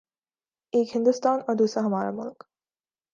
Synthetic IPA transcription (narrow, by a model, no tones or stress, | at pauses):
eːkhɪ̃nd̪ʊst̪aːnɔːɾd̪uːsɾaɦɐmaːɾa̰mʊlk